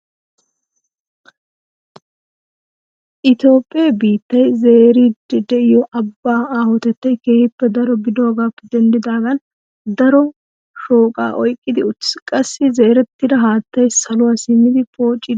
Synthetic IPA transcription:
ʔɪt̪jo̞ːpʼːɪjɐbiːt̪ːɐjze̞ːɾiːd̪ɪd̪ɛʔɪjɔʔɐbːaːaːhɔt̪ɛt̪ːɐjkeːhɪpːɛd̪ɐɾɔbɪd̪o̞ːɡaːpːɛd̪ɛnd̪ɪd̪aːɡɐn | d̪ɐɾɔ | ʃo̞ːkʼa̰ːʔɔjkʼːɪd̪ɪʊtːskʼɐsːɪze̞ːɾɛt̪ːɪd̪ɐɦaːt̪ːɐjsɐlʊwaːsɪmːɪd̪ɪpo̞ːt͡ʃʼːɪ

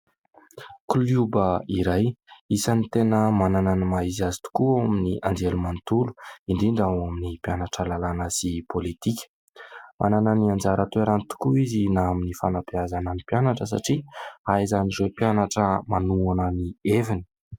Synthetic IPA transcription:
kuljubəiɾajisanit̪enəmanananamaiziazi̥t̪u̥kuawaminiʔand͡ʒelumant̪ulu̥inɖ͡ʐiɳɖ͡ʐawaminipjanaʈ͡ʂəlalanəsipolit̪ikʲə̥ | mʔa̰nananiand͡ʒaɾət̪ueɾanit̪u̥kuizinaaminifanapiazanənipjanaʈ͡ʂəs̬a̰ʈ͡ʂiaizanizepjanaʈ͡ʂəmanuanənievini̥

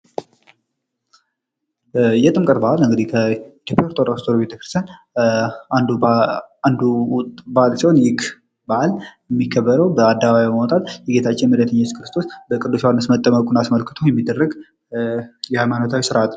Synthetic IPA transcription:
jɛt̪ʼɨmkʼət̪̚bahalɨŋɡəd̪ihkʰəit̪ʰjopʼːjaɾt̪ʰoɾast̪ʰoɾobet̪əkɾɨst̪ʰjean | and̪uand̪uwt̪ʼbalsiho̞njɪkʰ | baʔaljɛmːikʰːəbːəɾəwbəad̪ːaβaβaβibəmawɔt̪ʼat̪jɛɡe̞t̪ʰat͡ʃːɪnmələt̪ʰəɲːat͡ʃ̪kʰɨɾɨst̪ʰo̞sbəkʼɨd̪ːuswanːəsmət̪ʼːəməkʼunasməlkʰɨt̪ʰəwjɛmːid̪ːərːəɡ | jɛhajmanət̪ʰawisɨɾat̪

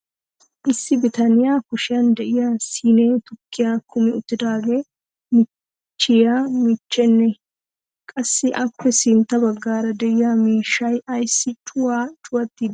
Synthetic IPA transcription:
ʔɪsːɪbɪt̪ɐnɪjaːkʊʃɪjɐnd̪ɛʔɪjaːsiːneːt̪ʊkːɪjaːkʊmɛʊt̪ːɪd̪aːɡeː | mɪ | t͡ʃːɪjaːmɪt͡ʃːɛnːɛ | kʼɐsːɪʔɐpːɛsɪnt̪ɐbɐɡːaːɾɐd̪ɛʔɪjaːmiːʃɐjɐjsːɪt͡ʃʼʊwaːt͡ʃʼʊwɐt̪ːɪ

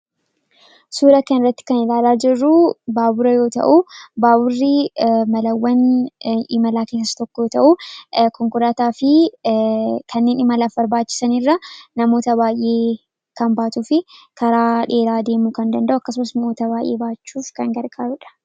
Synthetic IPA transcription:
suːɾɐkɐnɪrːɐt̪ːɪ̥kɐnɪlaːlaːd͡ʒɪrːubaːbʊɾɐjo̞ːt̪ɐ̰ʔubaːbʊrːɪmɐlɐwːɐn | ɪmɐlaːke̞ːsːɐsɐ̥t̪ɔkːɔjoːt̪ɐʔukɔŋkʊɾaːt̪aːfɪ | kʰɐnːe̞ːnɪmɐlaːfbɐɾbaːt͡ʃːɪ̥sɐnɪrːɐnɐmo̞ːt̪ɐβaːjʔe̞ː | kɐmbaːt̪uːfɪkʰɐɾaːᶑe̞ːlaːd̪e̞ːmukɐnd̪ɐnd̪ɐʔʊɐkːɐs̬ʊmɐsnmoːt̪ɐbaːjʔe̞̰ːbaːt͡ʃːuːfkɐŋɡɐɾɡʼaːɾʊᶑɐ̥

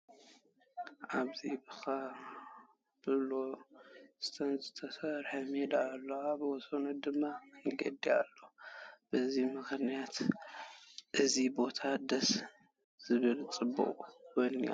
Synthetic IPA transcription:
ʔaβzibɨxa | b̥ɨlo | z̥ɨ̥t̪ʰɐnzɨt̪ʰɐsɐɾħɐmed̪aːlːoabɨwɔsonud̪ɨmːaɨŋɡɐd̪ia̰lːob̥ɨzimɨxnijat̪ | ʔɨzibo̞t̪ʰad̪ɐs | z̥ɨβɨlt͡sʼɨbːṵχʼuwonia̰

